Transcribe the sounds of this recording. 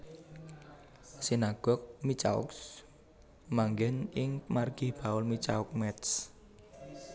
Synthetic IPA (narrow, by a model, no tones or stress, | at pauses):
sinaɡ̥ɔk̚mit͡ʃa̰ʊ̰ks | maŋɡɛnʔɪŋmarɡ̥ib̥a̤ʊlmit͡ʃaʊk̚mɛt̪s